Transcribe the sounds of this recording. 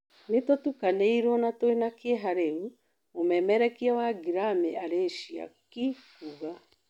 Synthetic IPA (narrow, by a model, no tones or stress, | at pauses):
netotukaneiɾwɔnatoenakeɛɦaɾeu | omɛmɛɾɛkiawaɡiɾameaɾeːʃia̰kikuɣa